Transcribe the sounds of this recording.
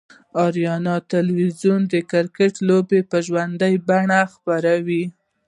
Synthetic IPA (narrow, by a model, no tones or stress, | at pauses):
ɑɾjɑnɑt̪ɪlwizjund̪əkɪɾkeʈlobepəʒwand̪əjbaɳaxpaɾawi